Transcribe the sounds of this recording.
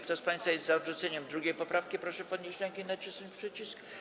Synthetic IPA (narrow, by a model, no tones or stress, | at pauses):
k̚t̪ɔspaj̃sfajɛst̪zaɔd̪ʐut̪sɛɲɛmd̪ɾuɡʲejpɔpɾafkʲipɾɔʂɛpɔd̪ɲeɕlɛŋkʲinat͡ʂɘsnɘpʂɘt͡ɕisk